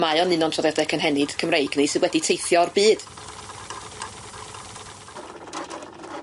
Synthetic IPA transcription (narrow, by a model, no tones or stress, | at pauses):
maɨɔnɨnɔntʰrɔðjadɛkʰənɦɛnɨd̥kʰəmrejɡnɨsɨnwɛditʰejθjɔrbiːd̥